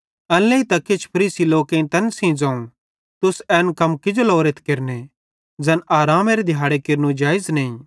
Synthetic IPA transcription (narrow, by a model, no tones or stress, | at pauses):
ɐlːeit̪ɐkɪt͡ʃʰpʰɐɾiːsiloːkẽt̪ɐnsĩd͡zãːũ | t̪ʊsɛːnkɐmkɪd͡ʒolɔːɾet̪ʰkeɾne | d͡zɐnaːɾaːmeɾed̪ʱjaːɽekɪɾnũd͡ʒaːɪzneĩ